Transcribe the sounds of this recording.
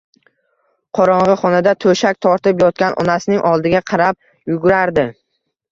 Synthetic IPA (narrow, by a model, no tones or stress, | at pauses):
qʰɒɾɒɴʁɨχɒnad̪at̪ʰɵʃak̚ʲt̪ʰɒɾt̪ɪpjɒt̪̚kʲanʔɒ̰nasɪnɪŋʔɒlˠd̪ɪɡʲaqʰɑɾap̚ | jʊɡʊɾaɾd̪ɪ